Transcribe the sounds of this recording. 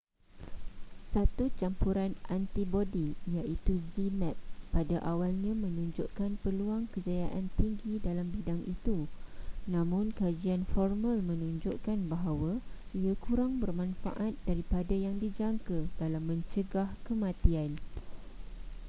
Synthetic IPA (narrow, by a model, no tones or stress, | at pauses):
sat̪ut͡ʃampuɾanʔant̪ibodijaʔit̪uzinɛt̪̚padaʔawalɲãmə̃nũɲd͡ʒʊʔkanpəluaŋkəzajaʔant̪iŋɡidalambidaŋʔit̪unãmʊ̃nkad͡ʒianfɔrmalmə̃nũɲd͡ʒoʔkanbaɦawa | iakuɾaŋbərmãnfa̰ʔat̪̚daɾipadajaŋdid͡ʒaŋkəd̥alamːə̃ɲt͡ʃəɡahkəmãt̪ian